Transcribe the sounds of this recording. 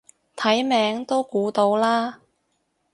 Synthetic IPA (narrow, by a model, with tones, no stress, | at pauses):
t̪ʰɐ˨˥jmɛː˨˥ŋt̪o˥wkuː˨˧t̪o˧wlaː˥